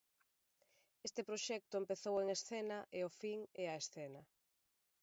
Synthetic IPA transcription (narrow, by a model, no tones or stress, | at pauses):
est̪epɾoʃɛk̚t̪ʊempeθoweŋesθɛnɐʔeofiŋɛɐesθɛnɐ